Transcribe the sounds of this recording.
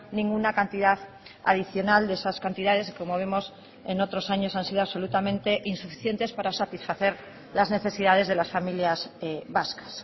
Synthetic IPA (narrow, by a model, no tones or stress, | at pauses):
nĩŋɡunakant̪iðað | a̰ðiθjo̞nald̪e̞saskant̪iðað̞e̞sko̞moβ̞emo̞s | eno̞t̪ɾo̞saɲo̞sansiðoaβso̞lut̪amẽnt̪e̞ʔinsufiθje̞nt̪e̞spaɾasat̪isfaθe̞ɾ | lazne̞θe̞siðað̞e̞zð̞e̞lasfamiljazβaskḁs